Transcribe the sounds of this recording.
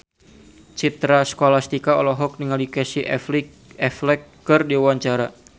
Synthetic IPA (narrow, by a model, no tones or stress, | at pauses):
t͡ʃit̪ɾasə̥kolast̪ikaɔlɔɦɔk̚niŋalikɛsi | ɛflɛkːərdiwaɲt͡ʃaɾa